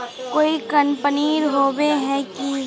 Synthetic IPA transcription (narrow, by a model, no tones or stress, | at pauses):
koːikɐnpəniːɾɦoːbeɦɛki